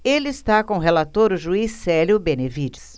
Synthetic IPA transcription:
elɪist̪akõɦelat̪oɾʊʒuisːɛljʊbẽnevid͡ʒɪs

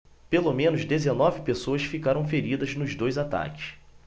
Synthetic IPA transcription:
pelomẽnʊzd̪ezenɔvɪpesoɐsfikaɾɐ̃w̃feɾid̪ɐznʊzd̪ojzat̪a̰kɪ̥s

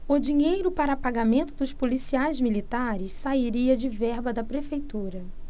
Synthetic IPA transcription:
ʊd͡ʒiɲejɾʊpaɾɐpaɡamẽnt̪ʊd̪ʊspolisiajzmilit̪aɾɪssaiɾiɐd͡ʒɪvɛɾbɐd̪ɐpɾefejt̪uɾɐ

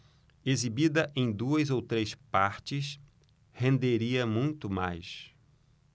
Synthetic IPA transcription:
ezibid̪ɐʔẽj̃d̪uɐzowt̪ɾespaɾt͡ʃɪs | hẽnd̪eɾiɐmũj̃t̪ʊma̰js

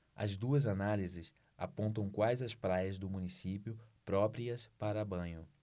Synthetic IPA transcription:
ɐ̰zd̪uɐzanalizɪs | a̰põnt̪ɐ̃w̃kwajzɪɐspɾajɐzd̪ʊmũnisipjʊpɾɔpɾiɐspaɾɐbɐ̃ɲʊ

